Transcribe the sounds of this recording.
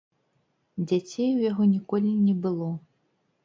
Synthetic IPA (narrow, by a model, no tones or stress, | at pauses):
d͡zʲat͡sʲejwjaɣɔnʲikɔlʲinʲɛbɨlˠɔ